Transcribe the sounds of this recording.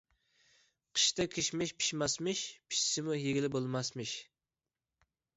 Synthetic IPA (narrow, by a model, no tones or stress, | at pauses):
qʰə̥ʃt̪ɛkʲʰeʃmɪʃpʰi̥ʃmɑsmɨʃpʰi̥ʃsɪmujeɡʲɪlɪbolˠmɑsmɨʃ